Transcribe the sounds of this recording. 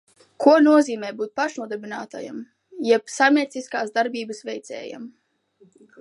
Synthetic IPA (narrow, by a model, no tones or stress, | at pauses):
kuɔnuɔziːmɛːbuːt̪̚paʃnuɔd̪ɛbʲinaːt̪a̰ja̰m | jɛpsajmʲiɛt̪siskaːsd̪aɾbʲiːbɨsvɛjt̪sɛ̰ːja̰m